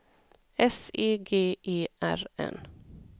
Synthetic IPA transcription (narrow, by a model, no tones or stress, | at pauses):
ɛsiːɡeːʔiːʔæɹɛ̰n